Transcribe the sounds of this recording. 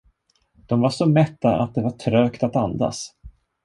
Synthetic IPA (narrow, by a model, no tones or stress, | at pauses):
d̪̥ɔmvaʂɔmɛt̪ːaʔa̰t̪̚d̪ɛvaʈʰɾøːkt̪at̪and̪a̰s